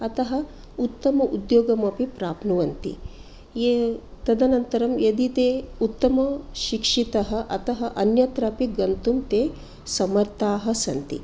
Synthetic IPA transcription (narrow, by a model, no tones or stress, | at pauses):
ɐt̪ɐɦɐ | ut̪ːɐmɐʔud̪joːɡɐmɐpipɾaːpnuʋɐnt̪ḭ | et̪ɐd̪ɐnɐnt̪ɐɾɐmjed̪it̪eːut̪ːɐmɐʃikʂit̪ɐɦɐʔɐt̪ɐɦɐʔɐnjɐt̪ɾaːpiɡɐnt̪umt̪eː | sɐmɐɾt̪aːɦɐsɐnt̪ḭ